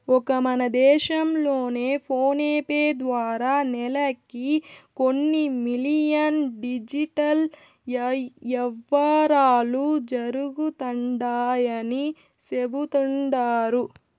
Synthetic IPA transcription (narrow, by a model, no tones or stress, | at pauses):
ɔkɐmɐnɐd̪ɛːʃɐmlo̞ːne̞ːpʰo̞ːneːpeːd̪ʋaːɾaːnɛlɐkikonːimilijɐnɖid͡ʒiʈɐl | ɛʋːaːɾaːlud͡ʒɐɾuɡut̪ɐɳɖaːjɐni | sebut̪uɳɖaːɾu